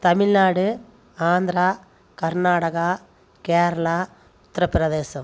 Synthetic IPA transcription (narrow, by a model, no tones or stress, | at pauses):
t̪ɐmɪɭnaːɽɯ | aːnd̪ɾaː | kɐɾnaːɽɐɣaː | keːɾɐɭaː | ʊt̪ɾɐpɾɐðeːsɐm